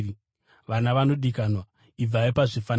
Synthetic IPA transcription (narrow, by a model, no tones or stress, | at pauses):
ʋanaʋano̞ɗikanwa | ib͡vaipaʐifan